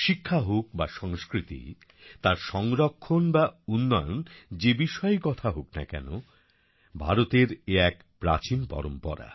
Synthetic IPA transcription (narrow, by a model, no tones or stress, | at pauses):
ʃikʰːaɦok̚baʃɔŋskɾit̪ḭ | t̪aɾʃɔŋɾokʰːonbaunːɔjond͡ʑebiʃɔekɔt̪ʰaɦokna̰kɛ̰no | bʱa̰ɾot̪eɾeɛk | pɾa̰t͡ɕinpɔ̰ɾompɔ̰ɾa̰